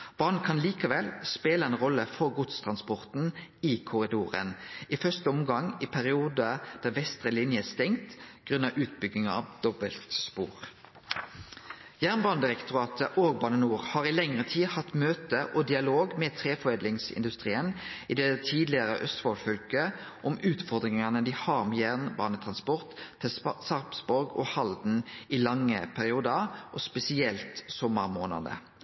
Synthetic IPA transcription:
b̥ɑːʁn̩kʰɑnliːkɑʋɛlspeːləɛnʁɔlːəfɔʁɡʊt̪st̪ʰʁɑnspɔʁt̪n̩iːkʰʊʁɪd̪uːʁə̰nifœʁst̪əɔmɡɑŋiːpʰæʁɪuːd̪əd̪̥æːʋɛst̪ʁəlɪnjəæst̪ɛŋt̪ɡ̥ʁʉnɑʔʉːt̪̚bʏɡnɪŋɑ̰ʋd̪̥ɔbəlt̪spṵːʁ | jæːʁnbɑːnəd̪ɪʁɛkt̪ʊʁɑːt̪ʰəʔoːɡ̚bɑːnənuːʁhɑːʁiːlɛŋʁət̪ʰiːhɑt̪møːt̪əʔɔd̪ɪɑloːɡmeːt̪ʰʁeːfɔʁeːd̪lɪŋsɪ̰nd̪ʉst̪ʁiːəniːd̪ɛt̪ʰiːd̪lɪəʁəʔœst̪fɔlfœlkəʔɔmʉːt̪fɔʁd̪ʁɪŋɑnəd̪ihɑːʁmeːjæʁnbɑːnət̪ʰʁɑnspɔʁt̪ʰːɛsɑʁpsbɔɾɡɔ̰ːhɑld̪n̩iːlɑŋːə̰pʰæʁɪuːd̪əʁʔɔspɛsɪɛlt̪sɔməʁmoːnɑ̰d̪ə̰

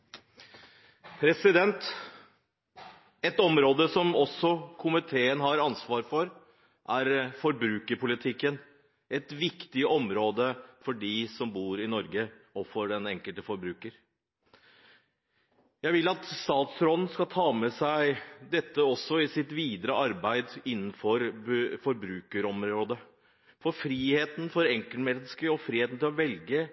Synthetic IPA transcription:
pʰɾɛsɪd̪ɛnt̪ | ɛt̪ɔmɾoːd̪əsɔmɔsɔkʰʊmɪt̪ʰeːənɦɑɾɑnsʋɑːɾfɔɾ | ʔæɾfɔɾbɾʉːkəɾpʰʊlɪt̪ʰɪkːən | ɛt̪ʋɪkt̪ɪʔɔmɾoːd̪əfɔɖiːsɔmbuːɾɪnɔɾɡə | ɔfɔɖɛnɛŋkəlt̪əfɔɾbɾʉːkəɾ | jæɪʋɪlːɑt̪st̪ɑːt̪sɾɔd̪n̩skɑlt̪ʰɑːmɛsæɪd̪ɛt̪ːəɔsːɔɪsɪt̪ʋiːd̪ɾəʔɑɾbæɪd̪ɪnːn̩fɔɾfɔɾbɾʉːkəɾɔmɾoːd̪ə | fɔɾfɾiːheːt̪n̩fɔɾɛŋkəlmɛnːəskəɾɔfɾiːheːt̪n̩t̪ɪlɔʋɛlɡə

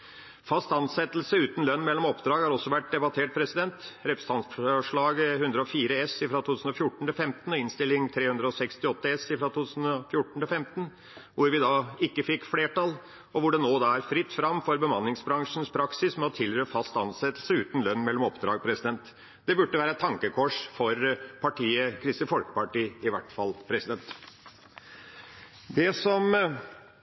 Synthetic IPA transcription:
fɑst̪ɑnsɛt̪ːlsəʉːt̪n̩lœnːmɛlːɔmɔpd̪ɾɑːɡhɑɾɔsːɔʋæʈ̚d̪ɛbɑt̪ʰeːʈ̚pʰɾɛsɪd̪ɛnt̪ɾɛpɾə̥st̪ɑnsfʂɭɑːɡəhʉnd̪ɾəɔfiːɾəɛsɪfɾɑt̪ʰuːʉsn̩ɔfjʊʈːɳ̩t̪ʰɪlfɛmt̪ən̩ɔɪnst̪ɪlːɪŋt̪ʰɾeːhʉnd̪ɾəɔsɛkst̪ɪɔt̪ːəɛsɪfɾɑt̪ut̪ʰʉːsn̩ɔfjʊʈːəɳ̩t̪ʰɪlfɛmt̪ən̩ | ʋʊɾʋɪd̪ɑːɪkːəfɪkːfleːʈɑl | ɔʋʊɖɛnoːd̪ɑæɾfɾɪt̪ːfɾɑmfɔɾbəmɑnːɪŋsbɾɑŋʂn̩spʰɾɑksɪsmɛɔt̪ʰɪlɾøːfɑst̪ɑnsɛt̪ːəl̩səʉːt̪n̩lœnːmɛlːɔmɔpd̪ɾɑːɡ̚pʰɾɛsɪd̪ɛnt̪ | d̪̥ɛbʉʈːəʋæːɾəɛt̪ʰɑŋkəkʰɔʂfɔɾpʰɑʈʰiːəkʰɾɪst̪əfɔlkə̥pɑʈiːɪʋæʈfɑlpʰɾɛsɪd̪ɛnt̪ | d̪ɛsɔm

